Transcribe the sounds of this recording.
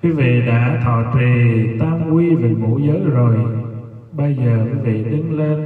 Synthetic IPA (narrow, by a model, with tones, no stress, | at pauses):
kwi˨˦vḭ˧˨ɗa̰ː˧˥t̪ʰɔ̰˧˨t͡ɕḭ˨˩t̪aː˧mkwi˧vi˨˩mṵ˧˥˦zəː˨˦jzo˨˩j | ɓə˧jzəː˨˩kwi˨˦vḭ˧˨ɗ̪ï˧ŋle˧n